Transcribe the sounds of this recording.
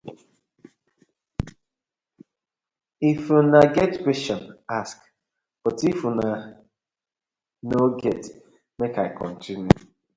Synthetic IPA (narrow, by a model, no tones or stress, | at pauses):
ifjunaɡɛtkwɛst͡ʃɔ̃nask | b̥ɔtifuna | noɡɛt | mekaɪkʰɔ̰̃ntĩnu